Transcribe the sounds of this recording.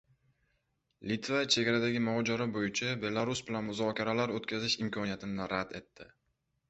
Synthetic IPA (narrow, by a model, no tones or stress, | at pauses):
lɪt̪vat͡ʃʰe̞ɡʲaɾad̪aɡʲɪmɒd͡ʒɒɾabojɪt͡ʃʰabe̞lˠaɾusbɪlanmʊzɒkʲaɾalaɾot̪kʲʰazɪʃɪmkʲʰɒnijat̪ʰɪnnɪɾad̪e̞t̪ːɪ